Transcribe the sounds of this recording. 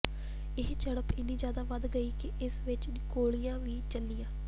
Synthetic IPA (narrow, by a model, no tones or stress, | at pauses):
ɪɦt͡ʃəɽəpɪnːiːd͡ʒjaːd̪aːʋəd̪ɡəiːkɪʔɪsʋɪt͡ʃ | koːɭijãːʋiːt͡ʃəlːɪjãː